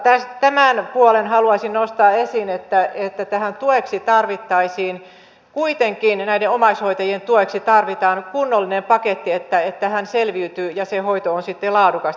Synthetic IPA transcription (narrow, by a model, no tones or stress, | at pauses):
t̪æst̪æmænpuolenhɑluɑisinnost̪ɑːesinet̪ːæet̪ːæt̪æhænt̪ueksit̪ɑrʋit̪ːɑisiːn | kuit̪eŋkinnæideomɑishoit̪ɑjient̪uoeksit̪ɑrʋit̪ɑːnkunːolːinempɑket̪ːiet̪ːæet̪ːæhænselʋiyt̪yːjɑsehoit̪oonsit̪ːelɑːdukɑs